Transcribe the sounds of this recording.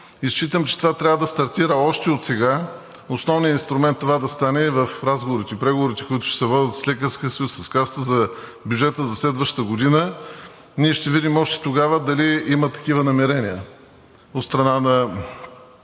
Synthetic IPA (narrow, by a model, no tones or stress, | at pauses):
ist͡ʃit̪əmt͡ʃɛ̥t̪ovat̪ɾʲavəd̪ɐst̪ɐɾt̪iɾəɔʃt̪ɛot̪sɛɡa | osnɔvnijəinst̪ɾʊmɛnt̪ːovad̪ɐst̪anɛvəfɾazɡovʊɾit̪ɛipɾɛɡovʊɾit̪ɛ̥kʊit̪ʊ̥ʃɛ̥sɛvɔd̪ʲət̪slɛkəɾskʲiəsɐjusːɐskast̪əzɐ | bʲjud͡ʒɛt̪əzɐslɛd̪vəʃt̪əɡod̪inə | niɛʃt̪ɛvid̪imɔʃt̪ɛ̥t̪oɡavəd̪ɐliimət̪ɐ̥k̟ivənɐmɛɾɛniə | ot̪st̪ɾɐnanɐ